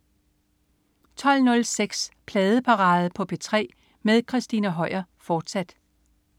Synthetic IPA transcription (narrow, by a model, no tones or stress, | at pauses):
t͡sʰɒ̽l̰nɔ̽lseɡ̥spʰlɛːð̞ˠəpʰɑ̈ʁɑ̈ːð̞̩ˠpʰɒ̽pʰe̝t͡sʰʁɛ̰ː | meðˠkʰʁisd̥inæɦɒ̽ɪɐfɒːd̥sæd̥